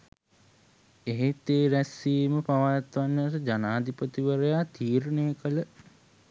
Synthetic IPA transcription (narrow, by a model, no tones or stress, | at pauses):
eɦet̪eːɾæsːiːməpaʋat̪ʋanːəɾəd͡ʒanaːd̪ipət̪iʋəɾejat̪iːɾənejəkələ